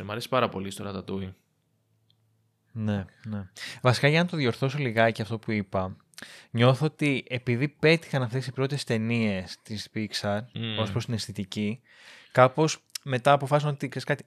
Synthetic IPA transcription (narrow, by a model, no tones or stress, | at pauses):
mɐɾesi̥pɐɾɐpo̞̰list̪oɾɐt̪ɐt̪ui | ne̞ne̞vɐsi̥kɐʝɐnɐt̪o̞ðjo̞ɾθo̞s̬o̞liɣɐceɐft̪o̞puipɐ | ɲo̞θɐot̪iʔe̞piðipe̞t̪i̥xɐnɐft̪e̞sipɾo̞t̪e̞st̪e̞nie̞st̪ispiksɐnospɾost̪inesθit̪ici | kɐpo̞sme̞t̪ɐːpo̞fɐsino̞t̪ikseskɐt̪i̥